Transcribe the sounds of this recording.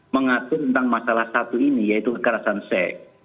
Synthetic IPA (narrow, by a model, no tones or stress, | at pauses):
məŋat̪ʊt̪ənt̪aŋmasalahsat̪uinijait̪ukəkəɾasansɛ